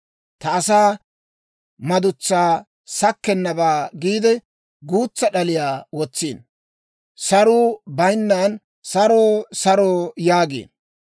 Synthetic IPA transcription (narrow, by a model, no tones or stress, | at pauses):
t̪ɐːsaː | mɐd̪ʊt͡sːaː | sɐkːɛnːɐbaːɡiːd̪ɛ | ɡuːt͡sːɐɗɐlɪjaːwɔt͡sːiːn | sɐɾuːbɐjnːaːn | sɐɾoːsɐɾoːjaːɡḛːn